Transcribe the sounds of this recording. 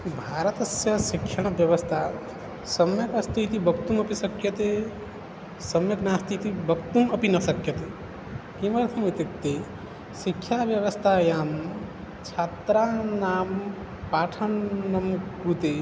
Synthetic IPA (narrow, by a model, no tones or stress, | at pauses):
bʱaɾət̪əsjasikʰjabjəβəst̪ʰa | səmjəkəst̪ʰit̪ibʱəkt̪uməpisəkjət̪e | səmjəknast̪ʰit̪ibʱəkt̪uməpinəsəkjət̪e | kiməɾt̪ʰəmit̪ek̚t̪e | sikʰːjabjəʋəst̪ʰajam | t͡ʃʰat̪ɾanam | paʈʰənːəmukkut̪e